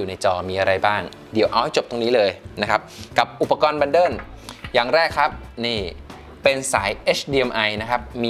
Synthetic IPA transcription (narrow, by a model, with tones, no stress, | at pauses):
uː˨˩na˧jt͡ɕɔː˧miː˧ʔa˧ɾa˧jbaː˥˩ŋ | di˩˦əwʔa˧wha˥˩jt͡ɕo˨˩p̚t̪o˧ŋniː˦˥lɤː˧jna˦˥kʰa˦˥p̚ka˨˩p̚ʔu˨˩pːa˧kɔː˧nba˧ndɤː˥˩njaː˨˩ŋɾɛː˥˩kʰːɾa˦˥p̚niː˥˩ | pe˧nsa̰ː˩˦jʔeː˦˥t͡ɕʰdiː˧ʔe˧mʔa˧jna˦˥kʰa˦˥p̚miː˧